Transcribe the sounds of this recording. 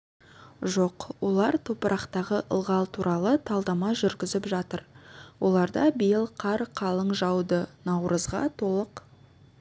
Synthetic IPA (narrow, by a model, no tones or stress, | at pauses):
ʒo̞qwo̞lˠɑɾt̪ʰopəɾʔɑqt̪ɑʁəʔə̰lˠʁɑlˠt̪ʰuɾʔɑlˠət̪ʰɑlˠd̪ɑmɑʒʏɾɡʲɪzɪpʒɑt̪əɾwʔo̞̰lˠɑɾd̪ɑbijəlˠqʰɑɾqʰɑlˠəɴʒɑwd̪ənɑwɾʔəzʁɑ̰t̪ʰo̞lˠəq